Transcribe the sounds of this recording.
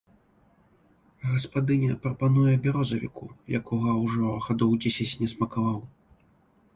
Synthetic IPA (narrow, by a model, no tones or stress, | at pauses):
ɣɐspad̪ɨnʲɛpɾɐpanujɛbʲɛɾɔzɐvʲḭkʰujakɔɣɐwʐɔɣad̪ɔwd͡zʲɛsʲɐt͡sʲnʲɛsmɐkavaw